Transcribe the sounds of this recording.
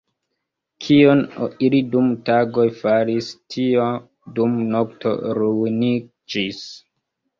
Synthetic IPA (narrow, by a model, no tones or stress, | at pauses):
kʰionilidumtaɡojfaɾistʰio | dumnoktʰo̰ɾuni | d͡ʒis